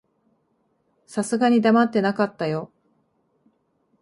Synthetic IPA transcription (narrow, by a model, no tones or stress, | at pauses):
sasɨɡaɲ̟id̪amat̪ːe̞nakat̪ːajo̞